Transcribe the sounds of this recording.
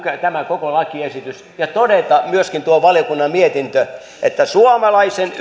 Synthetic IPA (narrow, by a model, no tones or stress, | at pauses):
køt̪æmækokolɑkːiesit̪ys | jɑt̪odet̪ɑmyøskint̪uoʋɑljokunːɑmmiet̪int̪ø | ʔet̪ːæsuomɑlɑisen